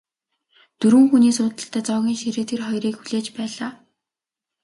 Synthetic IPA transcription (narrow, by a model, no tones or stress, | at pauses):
t̪ɵɾɘ̆ŋxuniːsʊːt̪ə̆ɬt̪æːt͡sɔːɣʲiːŋʃiɾeːt̪xerχɔjriːkxuɮeːt͡ɕpæːɮaː